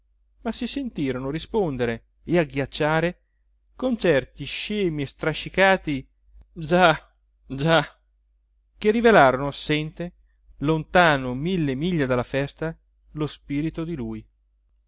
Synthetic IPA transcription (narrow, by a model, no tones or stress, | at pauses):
masisent̪iːɾonoɾispond̪eɾe | eaɡjat͡ʃːaːɾe | kont͡ʃɛrt̪iʃɛːmiest̪ɾaʃːikaːt̪i | d͡ʒa | d͡ʒa | k̟erːivelaːɾonoasːɛnt̪e | lont̪aːnomilːemiʎːad̪alːafɛst̪a | lospiːɾit̪od̪iluːj